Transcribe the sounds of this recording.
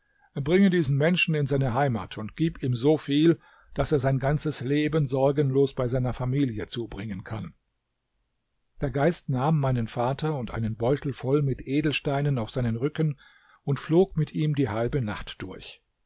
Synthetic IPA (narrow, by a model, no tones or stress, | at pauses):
ʔeːɐbʁɪŋədiːzn̩mɛnʃn̩ɪnzaɪnəɦaɪma̰ːtʰʊntɡ̥iːpiːmzoːfiːl | d̥aseːɐzaɪnɡant͡səsleːbənzɔɐɡənloːsb̥aɪzaɪnɐfamiːljət͡suːbʁɪŋənkʰan | d̥eːɐɡaɪstnaːmːaɪnənfaːtʰɐʊntʔa̰ɪnənbɔʏtl̩fɔlmɪtʔeːdl̩ʃtaɪnənaʊfz̥aɪnənʁʏkən | ʊntfloːkmɪtʔiːmdiːhalbənaχtd̥ʊɐç